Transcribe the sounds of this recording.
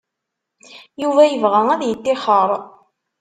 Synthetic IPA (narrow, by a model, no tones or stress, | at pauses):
juvæjəvʁææðjət̪ːɪχəɾˤ